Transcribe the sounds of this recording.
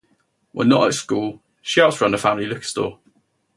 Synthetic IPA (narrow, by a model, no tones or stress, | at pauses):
wɪ̰nəʔə̰tskuːlˠ | ʃaʊtsɹʌ̃nəfãmlilʊkstɔ̰ː